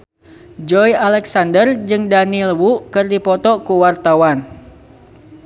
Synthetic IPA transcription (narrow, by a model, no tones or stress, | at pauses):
d͡ʒɔjalɛksandərd͡ʒɨŋdanilwuʔkɨrdipɔt̪ɔkuwart̪awan